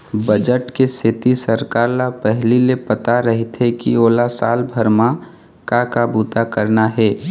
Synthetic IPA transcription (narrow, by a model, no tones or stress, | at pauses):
bəd͡ʒəʈkesɪt̪isəɾkaːɾlapɛɦlilepɐt̪aɾɐɦɪt̪ɦɛkioːlasaːlbʱəɾmã | kakabuːt̪akəɾnaɦɛː